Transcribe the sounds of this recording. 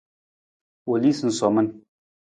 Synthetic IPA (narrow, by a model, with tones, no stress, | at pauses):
o˨li˦sɨ˦nsɔ˨mə˦n